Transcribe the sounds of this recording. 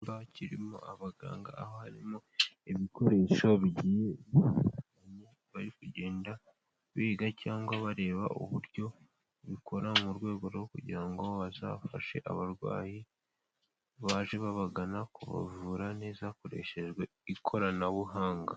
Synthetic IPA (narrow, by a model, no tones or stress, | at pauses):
baciɾimo̰aβaɡa̰ːŋɡa̰ːhohaɾimoeβiko̞ɾe̞ːʃoβiɟijeβiaɲe | βaɾikuɟe̞ːnda | βiːɡacaːŋɡwaβaɾe̞ːβa̰ʔṵβuɾɟo̞ | βikʰo̞ɾamuɾwe̞ːɡo̞ɾɡokuɟiɾaŋɡoβaza̰fa̰ʃe̞̰ʔa̰βaɾwa̰ːji | βaːʒe̞βaβaɡanakuβa̰vuːɾane̞ːzako̞ɾe̞̰ʃe̞ʒɡwe | ikʰo̞ɾanaβuɦaːŋɡa